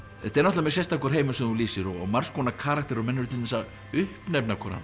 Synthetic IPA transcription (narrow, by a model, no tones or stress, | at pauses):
ɛt̪ːɛɾnɔht̪lamɛsɛjst̪akɔɾ̥ɦeːjmʏsɛmθunliːsɪɾɔɔɣmar̥skʰɔnakʰaːɾakt̪ɛɾɔmɛnːʏɾʏt̪ɪnɛsa | ʏhpnɛpnakʰɔɾa̰n